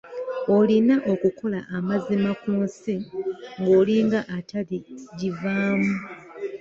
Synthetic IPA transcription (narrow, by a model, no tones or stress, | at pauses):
o̞linaʔo̞kukʰo̞la̰ʔːmazimakunsiŋɡoːliŋɡaʔatʰaliɟivaːmu